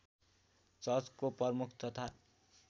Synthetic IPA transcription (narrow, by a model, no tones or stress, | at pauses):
t͡sʌt͡skopʌrmukʰt̪ʌt̪ʰa